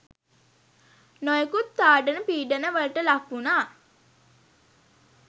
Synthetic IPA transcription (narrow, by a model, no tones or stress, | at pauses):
nojekut̪ːaːɖənəpiːɖənəʋələʈəlakːunaː